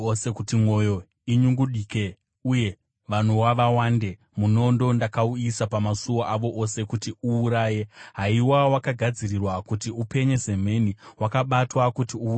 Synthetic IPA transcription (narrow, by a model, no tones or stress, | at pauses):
osekutimo̞jo̞ | iɲuŋɡuɗiːke̞ | uje̞ | ʋan̤uwaʋawaːnde̞ | muno̞ndo̞ndakauisapamasuwoʔaʋo̞ʔose̞kutiuːɾaːje̞ɦaiwawakaɡʱad͡zirirwakutiupe̞ɲe̞ze̞m̤e̞niwakaɓatwakutiu